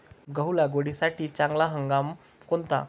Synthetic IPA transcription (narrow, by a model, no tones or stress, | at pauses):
ɡəɦulaɡoɽisaʈiːt͡ɕaŋɡlaɦəŋɡam | kont̪a̰